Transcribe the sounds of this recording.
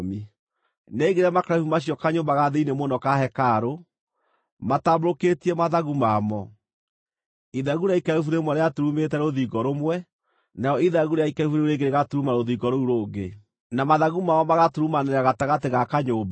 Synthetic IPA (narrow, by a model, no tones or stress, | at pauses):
mi | neiɡeɾeamakɾafumaɕiɔkaɲoːmbaɣaðeinemonɔkahɛkaɾo | mataboɾoketiɛmaðaɣumamɔ | iðaɣuɾeaikaufuɾemwɛɾeatoɾumetɛɾoðiːɡɔɾomwɛ | najɔiðaɣuɾeaikaifuɾeɾeɡeɾeɣatuɾumaɾoðiɡɔɾouɾoːɡe | namaðaɣumamɔmaɣatoɾumaneɾaɣataɣateɣakaɲoːmba